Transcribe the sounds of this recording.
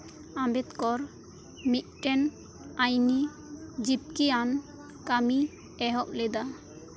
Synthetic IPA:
ambet̪kɔɾ | mit̪̚ʈɛn | ajni | d͡ʒip̚kian | kami | ɛɦɔʔ̚led̪a

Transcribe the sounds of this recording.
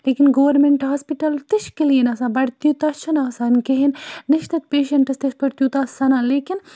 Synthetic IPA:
leːkinɡoʋɐɾmeɳʈɦaːspiʈɐlt̪ɪʃkilijenɐsãːbɐɽt̪jut̪ɐt͡ʃʰɐnaːsaːnkeɦinnɪʃt̪ɐt̪̚peːʃɐɳʈɐst̪ɐʃpɐɽt̪juːt̪aːsɐnaːleːkin

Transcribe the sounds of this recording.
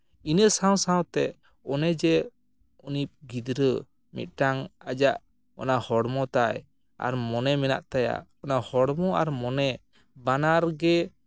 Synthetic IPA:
inəsaw̃saɔ̃t̪ɛ | ɔnɛd͡ʒɛ | unip̚ɡid̪ɾə | mḭt̪̚ˀʈaŋad͡ʒaʔ | ɔ̰nahɔɽmɔt̪aj | a̰ɾmɔnɛmɛna̰ʔt̪aja̰ʔɔnahɔɽmɔaɾmɔnɛ | banaɾɡɛ

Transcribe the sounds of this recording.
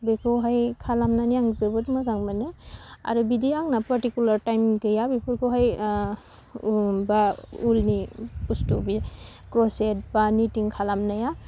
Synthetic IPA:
bekʰɯwɦajkʰalamnaniaŋzɯbɯtmazaŋbanɯa̰ɾɯbidiaŋnapaɾtikjulaɾtajmɡɯjabepʰɯɾkʰɯwɦaj | baulnipustubi | kɾɔset̚banitiŋkʰalamnaja

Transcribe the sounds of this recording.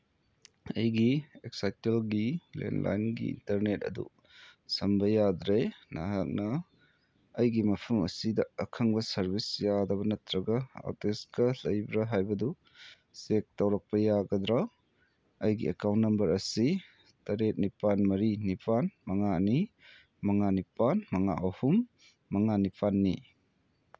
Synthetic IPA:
ɐjɡieksajtelɡilḛnla̰jnɡḭḭntɐɾnetɐ̰dṵ | sɐmbɐjad̪ɾenɐ̰ɦak̚nɐː | jɡimɐpʰɐmɐ̰sidɐɐkʰɐŋbɐsɐɾbisjadɐβɐnɐtɾɐɡɐa̰teskɐlɐjbɾɐɦajbɐdu | sek̚tɐwɾɐk̚pɐjaɡɐd̪ɾa | ɐjɡḭekawntːnɐmbɐɾɐsi | tɐɾet̚nipanmɐɾinipʰanmɐŋani | mɐŋanipanmɐŋa̰ʔɐhumː | ɐŋanipʰanːi

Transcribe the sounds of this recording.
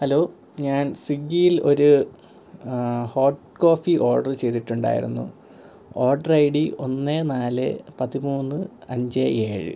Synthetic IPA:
hɐlo̞ː | ɲaːnswiɡːijilo̞ɾu | ho̞ːʈ | ko̞ːfiʔo̞ːrɖɐrt͡ɕe̞jt̪iʈːuɳɖa̰ːjḭɾṵnːṵ | o̞ːrɖɐrɐjɽio̞nːenaːlɨ̰pɐðimuːnːɨɐɲd͡ʑee̞ːɻɨ̰

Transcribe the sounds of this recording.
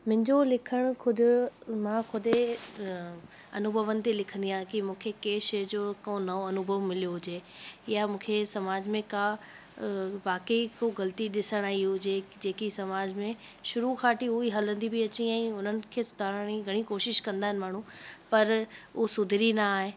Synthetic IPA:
mʊ̃ɦɪ̃ɲd͡ʑolɪkʰəɽ̃kʰʊd̪ʱʊ̆mãxʊd̪ʱe | ɐnʊbʱəʋənɪ̆t̪elɪkʰə̃nd̪iãːɦẽkimũːkʰekeːʃɐjd͡ʑokɐõnɐoɐnʊbʱəʋmɪlijoɦʊd͡ʑeːɪjamũːkʰesɐmaːd͡ʑmẽkaː | ʋaːkəikoɣɐlt̪iɗɪsəɽ̃aːɦiɦʊʊd͡ʑed͡ʑeːkisɐmaːd͡ʑmẽʃʊɾukʰaːʈiʊɦiɦɐlə̃nd̪ibɪɐt͡ɕiɛ̃ːʊn̤ənɪ̆kʰeːsʊ̥d̪ʰʱaːɾəɽ̃iɡʱɐɽ̃ikoːʃɪʃkɐ̃nd̪aːɦɪnɪ̆maːɳ̤ũpɐɾʊsʊd̪ʱɪɾinaaːɦẽ

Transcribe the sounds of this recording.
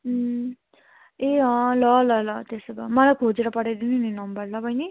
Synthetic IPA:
eɦʌ̃lʌlʌlʌt̪eseba̰mʌlajkʰod͡zeɾʌpʌɽed̪inininʌmbʌrlʌbʱʌjni

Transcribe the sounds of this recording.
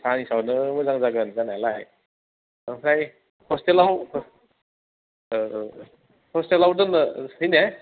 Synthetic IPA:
sanisawnɯmɯzaŋzaɡɯnzanalaj | hʰɾaj | hɔstelaw | hɔstelawdɯnɯhɯjne

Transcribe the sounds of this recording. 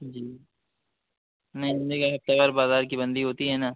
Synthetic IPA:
d͡ʒiː | nɐɦĩd̪ekaɦɐft̪abaːɾbaːzaːɾkibɐ̃nd̪iɦoːt̪iɦɛːnaː

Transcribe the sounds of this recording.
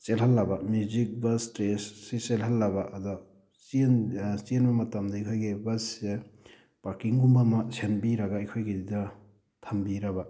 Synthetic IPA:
t͡ʃelɦɐlːɐbamjuzik̚bɐstɾesːeselɦɐlːɐbaʔɐdɔ | sint͡ʃienbɐmɐtɐmdɐikʰojɡebɐsse | paɾkiŋɡumbamɐsenbiɾɐɡaikʰojɡididɐ | tʰɐmbiɾɐba

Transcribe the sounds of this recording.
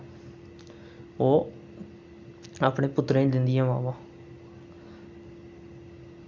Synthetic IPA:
oː | aːpɳẽːpʊt̪ːɾẽːd̪ɪnd̪ɪjãːʋa̰ːʋãː

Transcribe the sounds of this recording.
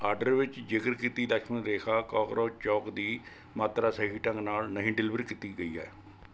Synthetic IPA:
aːɾɖəɾʋɪt͡ʃd͡ʒɪkəɾkɪt̪iːd̪əkʃmənɾeːkʰaːkɔːkɾoːt͡ʃɔːkd̪iː | maːt̪ɾaːsəɦiːʈə̃ŋɡnaːlnəɦĩːɖɪlɪʋɾiːkɪt̪iːɡəiːa̰ːɛː

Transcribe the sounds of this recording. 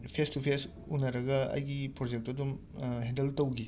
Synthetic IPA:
pʰestupʰes | unːɐɾɐɡɐɐ̰jɡipɾod͡ʒek̚tɐdum | ɦẽndeltɐwɡi

